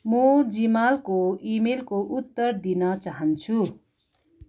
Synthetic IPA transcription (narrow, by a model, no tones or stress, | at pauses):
mod͡zimalkoimelkoʔut̪ːʌɾd̪inʌt͡saɦʌnt͡sʰu